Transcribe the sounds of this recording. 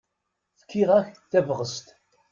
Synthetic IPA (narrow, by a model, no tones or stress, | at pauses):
θə̥kʰːiʁæçθævʁəst̪